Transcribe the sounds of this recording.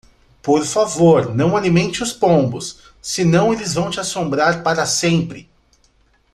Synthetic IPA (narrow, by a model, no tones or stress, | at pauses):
poɾfavoɾnɐ̃w̃alimẽnt͡ʃɪʊspõmbʊsː | ɪnɐ̃w̃elɪzvɐ̃w̃t͡ʃɪasõmbɾaɾpaɾɐsẽmpɾɪ